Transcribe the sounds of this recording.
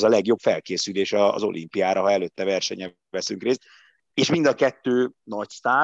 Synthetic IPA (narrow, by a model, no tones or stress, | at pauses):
zɒlɛɡjo̞pfɛlkeːsyleːʃɒ̰ːzo̞̰lʔḭmpijaːɾɒɦɒɛløːt̪ːɛvɛrʃɛɲɛ | vɛsyŋkreːst̪ | eːʃmind̪ɒkɛt̪ːøːnɒcst̪aː